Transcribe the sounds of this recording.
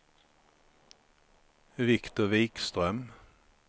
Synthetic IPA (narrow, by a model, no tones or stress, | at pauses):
vɪkt̪ʊʋiːkst̪ʁœm